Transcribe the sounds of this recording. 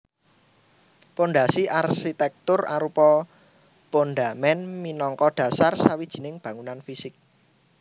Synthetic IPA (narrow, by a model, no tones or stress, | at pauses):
ponɖasiʔarsit̪ɛk̚t̪ʊra̰ɾupɔ | ponɖamɛnminɔŋkɔɖ̥ä̤sarsawid̥ʒ̥i̤nɪŋb̥ä̤ŋunanfisɪk̚